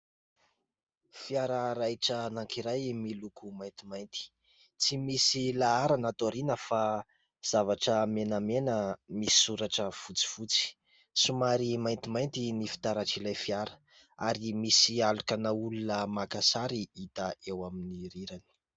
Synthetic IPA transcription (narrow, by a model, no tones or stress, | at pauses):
fiaɾaɾajʈ͡ʂənaŋkiɾajmilukumajnt̪imajnt̪i̥ | t͡simisilaaɾanat̪oɾinəfa | z̥avaʈ͡ʂəmenamenəmisi̥suɾaʈ͡ʂəfut͡si̥fut͡si̥ | sumaɾimajnt̪imajnt̪inifi̥t̪aɾaʈ͡ʂilajfiaɾə̥ | aɾimisialukanaulunəmakasaɾiit̪aʔewaminiɾiɾani̥